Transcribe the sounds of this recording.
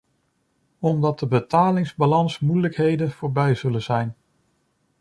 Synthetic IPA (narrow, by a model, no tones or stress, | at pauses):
ɔmdɑt̚dəbətaːlɪŋzbalɑnsmujləkɦejdənv̥ʊːɹbɛjzɵlənzɛjn